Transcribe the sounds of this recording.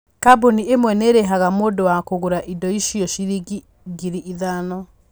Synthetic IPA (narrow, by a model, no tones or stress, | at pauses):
kaboniemwɛneɾeɦaɣamoːdowakoɣoɾaʔidɔiʃijɔʃiɾiɡi | ɡiɾiiðanɔ